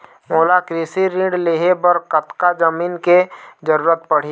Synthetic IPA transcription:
moːlakɾisiɾĩːɖleɦebəɾkət̪kad͡ʒəmiːnked͡ʒəɾuːɾət̪̚pəɽ̤i

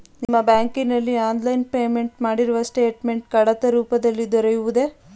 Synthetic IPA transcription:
nimːɐbaːŋkinɐlːiaːnlɐjnpe̞ːme̞ɳʈmaːɽiɾuʋɐsʈeːʈme̞ɳʈkɐɽɐt̪ɐɾuːpɐd̪ɐlːid̪ɔɾɐjuʋud̪e̞

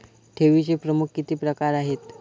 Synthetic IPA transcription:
ʈ̪ʰeʋit͡ɕepɾəmukkit̪iːpɾəkaɾaɦet̪

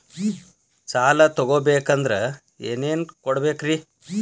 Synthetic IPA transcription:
t͡ʃaːlɐt̪ɔɡoːbeːkɐnd̪ɾe | ḛːneːnkɔɽbeːkɾi

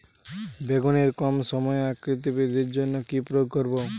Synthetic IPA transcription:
beɡoneɾkɔmsɔmɔjeakɾit̪̬iped̪eɾd͡ʒonːɔkipɾɔjoɡ̚kɔɾbo

